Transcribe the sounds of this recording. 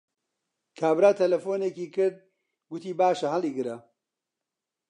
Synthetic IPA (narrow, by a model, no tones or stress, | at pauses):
kʰaːbɾaːt̪ʰɐlɐfoːnekiːkɨɾd̪̚ | ɡʊt̪iːbaːʃɐɦɐliːɡɨɾɐ